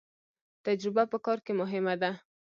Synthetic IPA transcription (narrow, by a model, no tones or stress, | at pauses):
t̪ad͡ʒɾɪbapəkɑɾkemʊɦɪmad̪a